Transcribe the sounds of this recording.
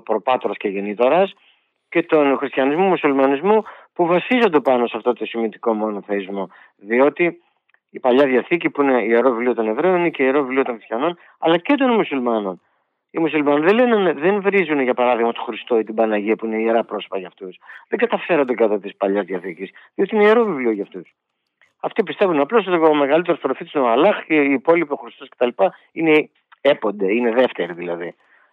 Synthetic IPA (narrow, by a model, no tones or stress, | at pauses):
pɾo̞pɐt̪o̞ɾɐsceʝenit̪o̞ɾɐs | ce̞t̪o̞nxɾist̪çɐnizmumusulmɐnizmupuvɐsizo̞nd̪e̞pɐno̞sɐft̪o̞t̪osimit̪i̥ko̞mo̞noθeizmo̞ | ðio̞t̪iː | pɐʎɐðjɐθicipuine̞ieɾovilio̞t̪o̞ne̞vɾe̞oniceieɾo̞viliot̪oŋxɾist̪çɐno̞n | ɐ̰lɐce̞t̪o̞nmusulmɐno̞n | imusulmɐniðelenenðe̞nvɾizuneʝɐpɐɾɐðiɣmɐt̪o̞xɾist̪o̞it̪ibɐnɐʝiɐpuineieɾɐpɾo̞sopɐʝɐft̪usðeŋɡɐt̪ɐfe̞ɾɐnd̪ekɐt̪ɐt̪ispɐʎɐzðijɐθicisðio̞t̪iineieɾo̞vivlioʝɐft̪us | ɐft̪ipist̪e̞vunɐplo̞sot̪iome̞ɣɐlit̪eɾospɾofit̪sineoɐlɐxeiːpo̞lipioxɾist̪oscet̪ɐlipɐ | ine̞ | epo̞nd̪e̞ine̞ðe̞ft̪e̞ɾiðilɐði